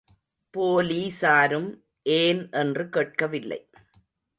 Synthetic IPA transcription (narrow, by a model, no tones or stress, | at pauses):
poːliːsaːɾɯm | ʔeːnʔɛndrɯkeːʈ̚kɐʋɪlːɐ̰ɪ